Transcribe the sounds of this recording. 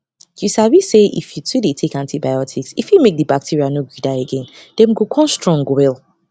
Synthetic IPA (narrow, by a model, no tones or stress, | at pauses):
jusabiseʔḭfjutʰudetʰekãntʰibajɔtʰiksifjumek̚dəbak̚tʰiɹianoɡudaeɡɛ̃ndɛ̃mɡokʰɔ̃nstɹɔ̃ŋɡowɛl